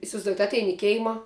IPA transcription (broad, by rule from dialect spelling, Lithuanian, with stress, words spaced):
ɪsʲɪʋɐɪzˈduɔjɛt ˈɑːtʲɛɪn ɪ ˈkʲɛɪmɐ